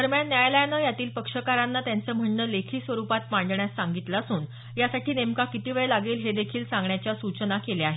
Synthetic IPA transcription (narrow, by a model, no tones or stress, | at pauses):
d̪əɾmjanːjajlajnəjat̪iːlpəkʂəkaɾanːat̪jant͡səːm̤əɳːəlekʰiːsʋəɾupat̪̚maɳɖɳjasːãŋɡit̪lasuːn | jasaʈʰiːnemkakit̪iːʋeɭelaɡeːlɦed̪ekʰiːlsãŋɡɳjat͡ɕjasut͡ɕənakeleaɦe